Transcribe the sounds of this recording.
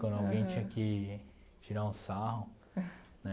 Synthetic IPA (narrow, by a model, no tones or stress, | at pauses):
kwɐ̃nd̪ʊawɡẽj̃t͡ʃĩɲɐkɪ | t͡ʃiɾaũsaɦʊ | nɛ